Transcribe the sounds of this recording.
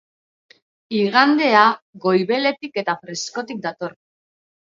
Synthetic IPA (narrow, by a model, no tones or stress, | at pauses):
iɣand̪e̞aɣo̞jβe̞le̞t̪ike̞t̪afɾe̞sko̞t̪ik̚d̪at̪o̞ɾ